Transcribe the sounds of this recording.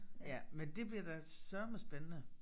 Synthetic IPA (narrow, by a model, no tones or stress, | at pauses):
jæmend̥e̝b̥liɐdɑ | sœɐməsb̥enənə